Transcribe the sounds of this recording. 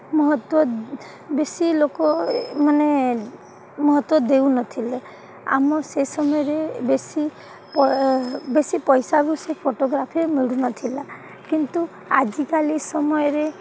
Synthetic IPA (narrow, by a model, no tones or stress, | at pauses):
mɔɦɔt̪wɔ | besilokɔmane | mɔɦɔt̪wɔd̪ewnɔt̪ʰile | a̰mɔsesɔmɔjɔɾebesi | pɔbesipɔjsabusepʰoʈoɡɾapʰiɾemiɽunɔt̪ʰila | kint̪u | ad͡ʒikalisɔmɔjɔɾe